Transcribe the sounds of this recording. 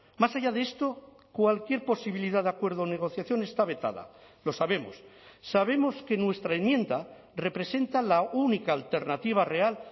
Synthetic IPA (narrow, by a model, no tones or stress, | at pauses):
masaʝað̞eest̪o | kwalkje̞ɾpo̞siβ̞iliðaðeakwe̞ɾð̞one̞ɣ̞o̞θjaθjo̞ne̞st̪aβe̞t̪a̰ða̰ | lo̞saβe̞mo̰sːaβ̞e̞mo̞ske̞nwe̞st̪ɾaemjẽ̞nd̪a | re̞pɾe̞se̞nt̪alaunikaːlt̪e̞ɾnat̪iβ̞are̞al